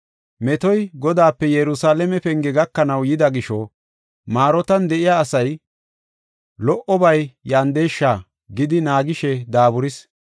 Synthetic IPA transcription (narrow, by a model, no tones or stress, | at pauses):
mɛt̪ɔjɡɔd̪aːpːɛjɛɾʊsaːlɛmɛpɛŋɡɛɡɐkːɐnɐwjɪd̪ɐɡɪʃɔ | maːɾɔt̪ɐnd̪ɛʔɪjaːsɐj | lɔʔɔbɐjjaːnd̪eːʃːaː | ɡɪd̪ɪnaːɡɪʃɛd̪aːbʊɾɪs